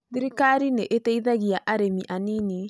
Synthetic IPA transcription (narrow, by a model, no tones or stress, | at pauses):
ðiɾikaɾineʔetɛiðaɣiaʔaɾemiʔanini